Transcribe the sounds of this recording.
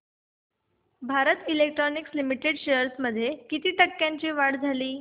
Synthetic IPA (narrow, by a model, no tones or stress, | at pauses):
bʱaɾət̪ilek̚ʈɾɔnikslimiʈeɽɕeəɾsməd̪ʱːjekit̪iːʈəkːjãɲt͡ɕiːʋaɽd͡zʱaliː